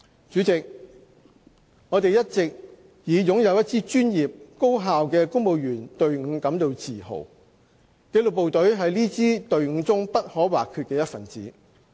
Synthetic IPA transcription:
t͡ʃyː˨˥t͡sɪ˨k̚ | ŋɔː˨˧t̪e˨jɐ˥t̚t͡sɪ˨k̚ | jiː˨˧jʊ˨˥ŋjɐ˨˧wjɐ˥t̚t͡siː˥t͡ʃyː˥njiː˨p̚ko˥wɦaː˨wkɛː˧kʊ˥ŋmo˨˧wjyː˨˩nt̪ɵ˨ɥŋ̩˨˧˥kɐ˨˥mt̪o˨wt͡siː˨˩ho̰˨˩w | ke˨˧˥lʊ˨k̚po˨wt̪ɵ˨˥ɥɦɐ˨jliː˥t͡siː˥t̪ɵ˨ɥŋ̩ː˨˧t͡sʊ˥ŋpɐ˥t̚hɔː˨˥waː˨kʰy˧t̚kɛː˧jɐ˥t̚fɐ˨˩nt͡siː˨

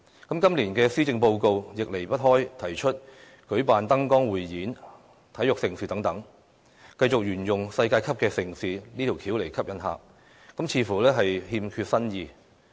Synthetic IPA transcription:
kɐ˨˥mkɐ˥mliː˨˩nkɛː˧siː˥t͡sɪ˧ŋpo˧wko˧wjɪ˨k̚le˨˩jpɐ˥t̚ɦɔː˥jt̪ʰɐ˨˩jt͡ʃʰɵ˥t̚ | kɵ˨˥ɥpaː˨nt̪ɐ˥ŋkɔː˥ŋwuː˨jːiː˨˥n | t̪ʰɐ˨˥jʊ˨k̚sɪ˨˩ŋsiː˨˧t̪ɐ˨˥ŋt̪ɐ˨˥ŋ | kɐ˧jt͡sʊ˨k̚jyː˨˩njʊ˨ŋsɐ˧jkaː˧jkʰɐ˥p̚kɛː˧sɪ˨˩ŋsiː˨˧niː˥t̪ʰi˨˩wkʰiː˨˥wle˨˩jkʰɐ˥p̚jɐ˨˥nɦa̰ː˨k̚ː | ɐ˨˥mt͡sʰiː˨˥fuː˨˩lɛː˥ɦɐ˨jhiː˧mkʰyː˧t̚sɐ˥njiː˧

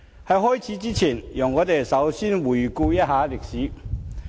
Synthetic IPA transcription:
hɐ˨jɦɔː˥˩jt͡sʰiː˨˧˥t͡siː˥t͡sʰiː˨˩njɔ˨˩ŋːɔː˨˧t̪e˨jsɐ˨˥wsiː˥nwuː˨˩jkuː˧jɐ˥t̚haː˨˥lɪ˨k̚siː˨˥

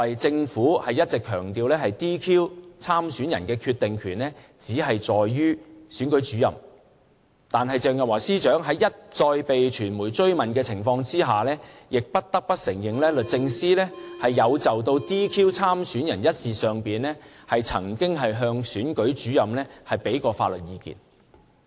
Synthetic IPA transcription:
ɐ˨jt͡sɪ˧ŋfuː˨˥hɐ˨jɐ˥t̚t͡sɪ˨kʰœː˨˩ŋt̪iː˧wlɛː˥hɐ˨jt̪iː˥kʰiː˥wt͡sʰaː˥msyː˨˥njɐ˨˩nkɛː˧kʰyː˧t̚t̪ɪ˨ŋkʰyː˨˩nlɛː˥t͡siː˨˥ɦɐ˨jt͡sɔː˨jyː˥syː˨˥nkɵ˨˧˥ɥt͡ʃyː˨˥jɐ̰˨m | t̪aː˨nɦɐ˨jt͡sœː˨˧ŋjɐ˨waː˨˩siː˥t͡ʃœː˨˥ŋɦɐ˨˥jjɐ˥t̚t͡ʃɔː˧jpe˨jt͡ʃʰyː˨˩nmuː˨˩jt͡ʃɵ˥ɥmɐ˨˩nkɛː˧t͡sʰɪ˨˩ŋfɔː˧ŋt͡siː˥ɦaː˨lɛː˥jɪ˨k̚pɐ˥t̚t̪ɐ˥k̚pɐ˥t̚sɪ˨˩ŋjɪ˨ŋlɛː˥lɵ˨t̚t͡sɪ˧ŋsiː˥lɛː˥hɐ˨jːɐ˨˧wt͡sɐ˨wt̪̬o˧wt̪iː˥kʰiː˥wt͡sʰaː˥msyː˨˥njɐ˨˩njɐ˥t̚siː˨sœː˨ŋpiː˨nlɛː˥hɐ˨jt͡sʰɐ̰˨˩ŋkɪ˥ŋɦɐ˨jɦœː˧ŋsyː˨˥nkɵ˨˥ɥt͡ʃyː˨˥jɐ˨mlɛː˥hɐ˨jpe˨˥jkɔː˧faː˧lɵ˨t̚jiː˧kḭː˨˩n

